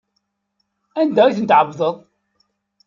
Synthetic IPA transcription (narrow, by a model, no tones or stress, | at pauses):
ænd̪ææθənt̪ʕəvðˤəðˤ